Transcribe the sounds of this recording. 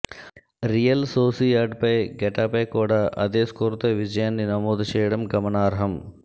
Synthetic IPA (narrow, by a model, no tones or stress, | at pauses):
ɾijɐlsoːsijaːɾɖpɐjɡɛʈaːpɐjkoːɽaʔɐ̰d̪eːskoɾt̪ɐʋid͡ʒɐjɐnːinɐmoːd̪ʃeːɽɐmɡɐmɐnaːɾɐɦɐm